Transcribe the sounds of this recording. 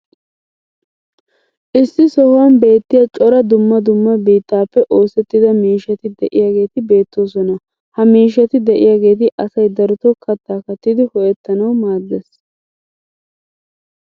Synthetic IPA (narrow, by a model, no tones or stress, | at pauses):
ʔɪsːɪsɔhʊwɐmbe̞ːt̪ːɪjɐt͡ʃʼɔɾɐd̪ʊmːɐd̪ʊmːɐbiːt̪ːaːpːɛʔo̞ːsɛt̪ːɪd̪ɐmiːʃːɐt̪ɪd̪ɛʔɪjaːɡe̞ːt̪ɪbe̞ːt̪ːo̞ːsɔnɐ | hɐmiːʃ̬ɐt̪ɪd̪ɛʔɪjaːɡe̞ːt̪̬ɪʔɐsɐjd̪ɐɾʊt̪ɔkʰɐt̪ːaːkɐt̪ːɪd̪ɪhɔʔɛt̪ːɐnɐwmaːd̪ːes